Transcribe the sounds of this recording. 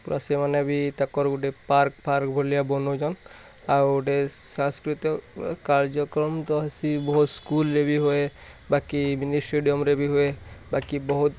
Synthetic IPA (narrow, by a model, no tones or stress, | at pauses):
puɾʔa̰semaneabit̪akɔɾuʈepaɾkpaɾkbʱolijabɔnod͡ʒɔn | awuʈesãskɾit̪ɔkkaɾd͡ʒɔkɾɔmt̪ɔɦasibɔɦut̪skulɾebʱiɦoebakiminisʈeɖijɔmɾebʱiɦoebakibɔɦut̪